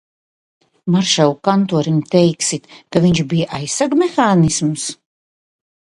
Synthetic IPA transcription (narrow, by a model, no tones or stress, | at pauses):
maɾʃawkant̪uɔɾimt̪ɛjksit̪kaviɲʃbijaʔajsːaɡmɛxaːnisms